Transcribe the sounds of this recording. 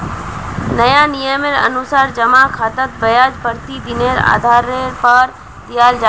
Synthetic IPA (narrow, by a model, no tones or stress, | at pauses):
nɐjanijəmeɾɐ̰nusaːɾd͡ʒɐmakʰaːt̪ət̪̚bɐjaːd͡ʒbʱəɾt̪id̪ɪneɾa̰ːd̪ʱaːɾeɾpəɾ | d̪ijaːld͡ʒa